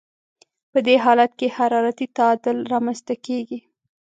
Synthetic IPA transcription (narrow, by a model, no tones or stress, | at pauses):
pəd̪eɦɑlat̪kehaɾɑɾat̪it̪aɑd̪ɪlɾɑmanzt̪akeɡi